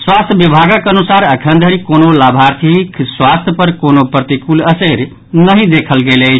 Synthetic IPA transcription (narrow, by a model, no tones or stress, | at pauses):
swast̪ʰjəbibʱaɡəkənusaɾəkʰənd̪ʱəɾikonolabʱaɾt̪ʰikswast̪ʰjəpəɾkonopɾət̪ikuləseɾ | nəɦĩd̪ekʰəlɡelət͡ʃʰ